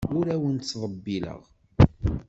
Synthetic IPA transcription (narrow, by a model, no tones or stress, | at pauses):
ʊɾæwənt̪t͡sːðˤəbːilə̰ʁ